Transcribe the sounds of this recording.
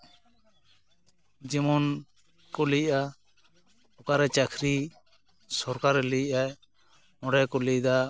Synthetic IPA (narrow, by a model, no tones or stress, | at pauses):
d͡ʒɛmɔn | kɔlijʔa | ɔkaɾɛt͡ʃakʰɾi | sɔɾkaɾɛliʔaj | mɔɖɛkɔlid̪a